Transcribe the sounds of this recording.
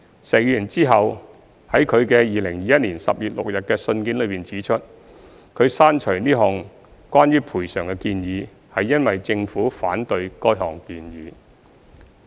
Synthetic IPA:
sɛː˨k̚jy˧yː˨˩nt͡siː˥ɦɐ˨w | hɐ˨˥jkʰɵ˨˧ɥkɛː˧jiː˨˧lɪ˨˩ŋjiː˨˧jɐ˥t̚niː˨˩nsɐ̰˨p̚jyː˨t̚lʊ̰˨k̚jɐ˨t̚kɛː˧sɵ˧nkiː˨˥nlɵ˨˧ɥpiː˨˩nt͡siː˨˥t͡ʃʰɵ˥t̚ | kʰɵ˨˧ɥsaː˥nt͡ʃʰɵ˨˩niː˥ɦɔː˨ŋ | kwaː˥njyː˥pʰuː˨˩jsœː˨˩ŋkɛ˧kiː˧njiː˨˧ | hɐ˨jːɐ˥nwɐ˨jt͡sɪ˧ŋfuː˨˥faː˨˥nt̪ɵ˧ɥkɔː˥jɦɔː˨˩ŋkiː˧njiː˨˥

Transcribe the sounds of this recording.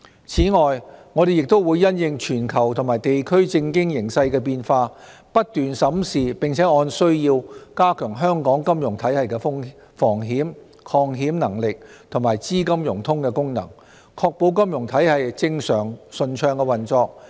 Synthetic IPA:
t͡sʰiː˨˥ŋɔː˨jŋɔː˨˧ɾe˨jɪ˨k̚t̪o˥wu˨˧jːɐ˥njɪ˧ŋt͡ʃʰyː˨˩nkʰɐ˨˩wt̪ʰʊ˨˩maː˨˩jt̪e˨jkʰɵ˥ɥt͡sɪ˧ŋkɪ˥ŋjɪ˨˩ŋsɐ˧jkɛː˧p̬iː˧nfaː˧ | pɐ˥t̚t̪yː˨nsɐ˨˥msiː˨pɪ˨˩ŋt͡sʰɛː˨˥ɔː˧nsɵ˥ɥjiː˧wkaː˥kʰœː˨˩ŋɦœː˥ŋkɔː˨˥ŋkɐ˥mjʊ˨˩ŋt̪ʰɐ˨˥jhɐ˨jkɛː˧fŋ | fɔː˨˩ŋɦiː˨˥m | kʰɔː˧ŋɦiː˨˥mnɐ˨˩ŋlɪ˨k̚t̪ʰʊ˨˩maː˨˩jt͡siː˥kɐ˥mjʊ˨˩ŋt̪ʰʊ˥ŋkɛː˧kʊ˥ŋnɐ̰˨˩ŋ | kʰɔː˧k̚po˨˧wkɐ˥mjʊ˨˩ŋt̪ʰɐ˨˥jhɐ˨jt͡sɪ˧ŋsœː˨˩ŋsɵ˨˧nt͡ʃʰœː˧ŋkɛ˧wɐ˨nt͡sɔː˧k̚

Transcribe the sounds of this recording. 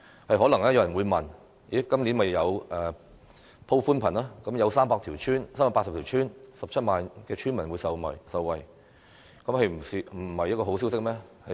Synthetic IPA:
hɐ˨jɦɔː˨˥lɐ˨˩ŋlɛː˥jɐ˧wjɐ˨˩nwuː˨˧jmɐ˨˩n | ji˨˥kɐ˥mni˨˥nmɐ˨jːɐ˨˧wʔɛː˨˩ | pʰo˥wfuː˥npʰɐ˨˩naː˥kɐ˨˥mjɐ˨˧wsaː˥mpaː˧k̚t̪ʰi˨˩wt͡ʃʰyː˥nsaː˥maː˧˥pːtsɐ˨p̪̚ʰi˨˩wt͡ʃʰyː˥nsɐ˨p̚t͡sʰɐ˥t̚maː˨˧nkɛː˧t͡ʃʰyː˥nmɐ˨˩nwuː˨˧jsɐ˨mɐ̰˨˩jsɐ˨wwɐ˨˩j | kɐ˨˥mhɐ˨jm̩˨˩si˨˧m̩˨˩˨hɐ˨j̚ːkɔː˧ɦo˨˥ws̬i˥ws̬ɪ˥k̚mɛː˥hɐ˨

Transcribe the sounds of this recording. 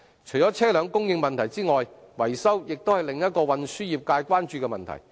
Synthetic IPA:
t͡ʃʰɵ˨˩jt͡ʃɔː˨˥t͡sʰɛː˥lœː˨˧ŋkʊ˥ŋjɪ˧ŋmɐ˨nt̪ʰɐ˨˩jt͡siː˥ŋɔː˨j | wɐ˨˩jsɐ˥wjɪ˨k̚t̪o˥whɐ˨jlɪ˨ŋjɐ˥t̚kɔː˧wɐ˨nsyː˥jiː˨˩p̚kaː˧jkʷwaː˥nt͡ʃyː˧kɛː˧mɐ˨nt̪ʰɐ̰˨˩j

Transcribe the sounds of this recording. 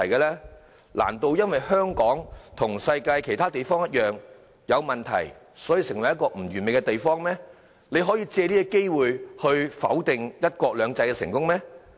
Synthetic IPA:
ɐ˨˩jkɛ˧lɛː˥ | lʔa̰ː˨˩nt̪o˧wjɐ˥nwɐ˨jhœː˥ŋkɔː˨˥ŋt̪ʰʊ˨˩ŋsɐ˧jkaː˧jkʰe˨˩jt̪ʰaː˥t̪e˨jfɔː˥ŋjɐ˥t̚jœː˨ŋ | jɐ˨˧wmɐ˨nt̪ʰɐ̰˨˩j | sɔː˨˥ji˧sɪ˨˩ŋwɐ˨˩jːɐ˥tkɔː˧m̩˨˩ɥyː˨˩nme˨jkɛ˧t̪e˨jfɔː˥ŋmɛː˥ | le˨˧jɦɔː˨˥jiː˧t͡sɛː˧liː˥ɛ˧ke˥jwuː˨jhɵ˧ɥfɐ̰˨˥wt̪ɪ˨˧ŋjɐ˥t̚kʷɔː˧k̚lœː˨˧ŋt͡sɐ˧jkɛ˧sɪ̰˨˩ŋkʊ˥ŋmɛː˥

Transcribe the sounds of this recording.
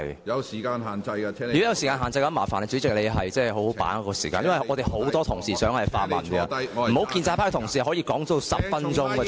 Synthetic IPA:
jɐ˨˧wsiː˨˩kaː˧nɦaː˨˩nt͡sɐ˧jka˧˥yː˨kjɐ˨˧wsi˨kaː˧nɦaː˨˩nt͡sɐ˧jkɐ˧˥maː˨˩faː˨˩nɛ˧t͡sy˨˥t͡sɪ˨k̚le˨˧ɦɐ˨jt͡sɛː˥˨ɦo˨˥whpa̰ː˨˥n˧kɔː˧siː˨˩kaː˧njɐ˥wɐ˨jʔɔː˨˧t̪e˨jho˨˥wt̪ɔː˥t̪ʰʊ˨˩ŋsiː˨˩sœː˨˥ŋhɐ˨jfa̰ː˧t̚mɐ̰˨˩nki˧m̩˨˩ho˨˥wkiː˧nt͡saː˧˥pʰaː˥k̚t̪ʰʊ˨˩ŋsiː˨˩˨hɔ˨˥jiː˧kɔː˨˥ŋt͡sːsɐ˨p̚fɐ˥nt͡ʃʊ˥ŋ˧

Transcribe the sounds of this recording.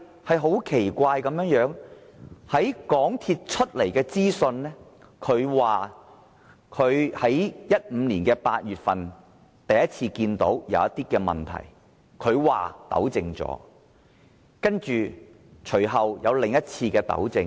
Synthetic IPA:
hɐ˨˩jɦo˨˥wkʰe˨˩jkʷaː˧jkɐ˨˧mjœː˨˥ŋjœː˨˥ŋ | hɐ˨˥jkɔː˨˥ŋt̪ʰiː˧t̚t͡ʃʰɵ˥t̚le˨˩jkɛː˧t͡siː˥sɵ˧nnɛ˥ | kʰɵ˨˧ɥwaː˨ | kʰɵ˨˧ɥhɐ˨˥jjɐ˥t̚m̩ː˨˧liː˨˩nkɛː˧paː˧t̚jyː˨˩t̚fɐ˨n | t̪ɐ˨jɐ˥t̚t͡sʰiː˧kiː˧nt̪o̰˨˥wjɐ̰˨˧wɐ˥t̪̚iː˥kɛː˧mɐ̰˨nt̪ʰɐ̰˨˩j | kʰɵ˨˧ɥwa̰ː˨˩t̪ɐ̰˨˥wt͡sɪ˧ŋt͡sɔ̰ː˨˥ | kɐ˥nt͡ʃyː˨˩ | t͡ʃʰɵ˨˩ɥɦɐ˨wjɐ˨˧wlɪ˨˩ŋjɐ˥t̚t͡sʰiː˧kɛː˧t̪ɐ̰˨˥wt͡sɪ˧ŋ

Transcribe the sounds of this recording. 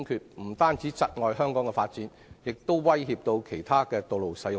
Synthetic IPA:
ŋkʰyː˨˩t̚m̩˨˩t̪aː˥nt͡si˨˥t͡sɐ˨t̚ŋɔː˨jɦœː˥ŋkɔː˨˥ŋkɛ˧faː˧t̚t͡siː˨˥n | jɪ˨k̚t̪o˥wwɐ˥jɦiː˧p̚t̪o˧wkʰe˨˩jt̪ʰaː˥kɛː˧t̪o˨˧wlo˨wsɐ˨˥jʊ˨

